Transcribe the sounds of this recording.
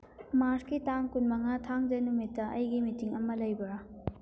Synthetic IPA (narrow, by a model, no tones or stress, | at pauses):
maɾskitaŋkunmɐŋɐtʰaŋd͡ʒɐnumitːɐʔɐjɡimitiŋɐmɐlɐjbɐɾa